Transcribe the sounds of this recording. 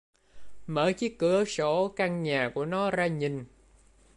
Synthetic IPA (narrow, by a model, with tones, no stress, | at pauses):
məː˧˨˦jt͡ɕi˦˥kːɨ˨˦əso˧˩ka˧ŋɲaː˨˩ku˧˩ənɔ˨˦zaː˧ɲi˨˩ŋ